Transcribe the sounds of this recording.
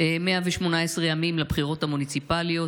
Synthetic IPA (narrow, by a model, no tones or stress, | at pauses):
emeaveʃmo̞naesʁejamimlabχiʁo̞t̪hamunit͡sipalijo̞